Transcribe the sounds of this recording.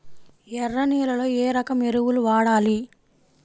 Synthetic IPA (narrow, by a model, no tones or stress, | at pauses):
ɛrːɐniːlɐlo̞ːeːɾɐkɐmeɾuwuluʋaːɽaːli